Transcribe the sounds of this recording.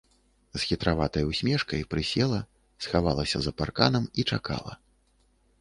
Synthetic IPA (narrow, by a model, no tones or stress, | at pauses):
z̥xʲit̪ɾavat̪ɐjwsʲmʲɛʂkɐjpɾɨsʲɛlˠɐ | sxavalˠɐsʲɐ̰zɐparkanɐmit͡ʂaka̰lˠɐ̰